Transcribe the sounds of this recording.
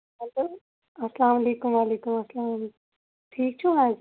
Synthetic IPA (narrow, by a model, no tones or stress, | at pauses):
ɐnt̪u | ɐslaːmɐleːkʊmʋaːleːkumɐslaːm | ʈʰiːk̚t͡ʃʰuɦaːd͡ʒ